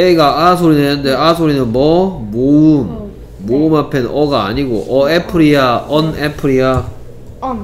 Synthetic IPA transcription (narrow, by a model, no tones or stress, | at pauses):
eɡaʔasʰoɾinendeasʰoɾinɯnmʌmoɯmː | oɯmapʰe̞nʌɡa̰ːɲiɡo̰ʔʌepʰɯɾiaʌnepʰɯɾia